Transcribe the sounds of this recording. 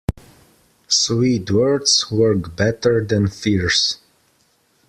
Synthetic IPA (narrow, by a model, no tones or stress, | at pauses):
swidwɜɹdswɜɹkbɛtə˞ðɛ̃nfiɹs